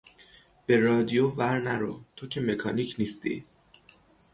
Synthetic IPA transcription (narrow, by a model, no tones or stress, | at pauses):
b̥e̞ɾɒːd̪ijovæɾnæɾo̰t̪ʰocʰe̞me̞kʰɒːnicʰniːst̪ʰḭ